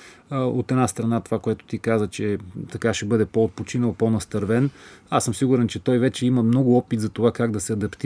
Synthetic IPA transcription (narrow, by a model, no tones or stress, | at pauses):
o̰t̪ɛd̪nast̪ɾɐnat̪ovakojat̪ʊ̥t̪ikazət͡ʃɛt̪ɐkaʃɛbɤd̪ɛpoot̪̚pot͡ʃinəlˠpɔnɐst̪ɐɾvɛnasɤmsiɡʊɾɛnt͡ʃɛt̪ɔjvɛt͡ʃɛiməmnɔɡʊɔpit̪zɐt̪ovakaɡd̪ɐsɛɐd̪ɐpt̪